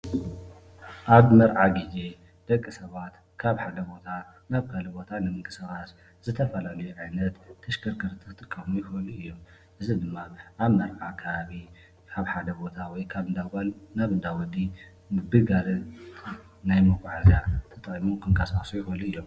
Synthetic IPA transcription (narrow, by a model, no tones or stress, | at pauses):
ʔaβmɐɾʕaɡid͡ʒe̞ | d̪̥ɐkʼːisɐβat̪ | kʰaβħad̪ɐbo̞t̪ʰa | naβkʰɐlɨbo̞t̪ʰanɨmɨŋkʰʼɨsɐɣas | zɨt̪ʰɐfɐlalɐjuʕajnɐt̪ʰːɐʃkʰɐɾkʰɨɾt̪ʰɨkɨt̪ʼɨkʼːɐmujɪxɨluɨjːo | ʔɨzid̪ɨmːaʔaβmɐɾʕakʰɐβaβi | kʰaβħad̪ɐbo̞t̪ʰawɔjkʰaβɨd̪aɡalnaβd̪awɔd̪i | bɨɡalɨnː | ajmɨɡʼaʕazijat̪ʰɐt̪ʼkʼimukʰɨŋkʰasasujɪxɨluɨjːom